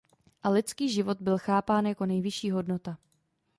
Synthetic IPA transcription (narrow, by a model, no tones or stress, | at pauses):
ʔalɪtt͡skiːʒɪvo̞t̪̚bɪlxaːpaːnjako̞nɛjvɪʃiːɦo̞dno̞t̪a